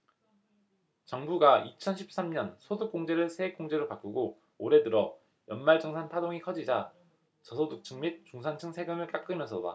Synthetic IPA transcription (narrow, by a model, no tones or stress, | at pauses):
t͡ɕʌŋbuɡait͡ɕʰʌnɕʰi̥p̚s͈amɲʌnsʰoduk̚k͈oŋd͡ʑe̞ɾɯɭsʰeek͈oŋd͡ʑe̞ɾopak͈uɡo | oɾe̞dɯɾʌ | jʌnmaɭd͡ʑʌŋsʰantʰadoŋikʰʌd͡ʑid͡ʑa | t͡ɕʌsʰoduk̚t͡ɕʰɯŋmit̚t͡ɕ͈uŋsʰant͡ɕʰɯŋsʰe̞ɡɯmɯɭk͈ak͈̚ɯmjʌnsʰʌda̰